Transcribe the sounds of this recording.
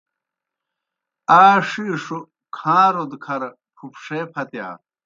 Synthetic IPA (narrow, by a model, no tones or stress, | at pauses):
aːʂiʂu | kʰãːɾod̪kʰɐɾ | pʰupʂeːpʰɐt̪ja̰ː